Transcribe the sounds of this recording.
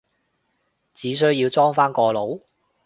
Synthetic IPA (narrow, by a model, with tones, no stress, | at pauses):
t͡siː˨˥s̬ɵ˥ɥjiː˧wt͡sɔː˥ŋfaː˥nkɔː˧lo˨˥w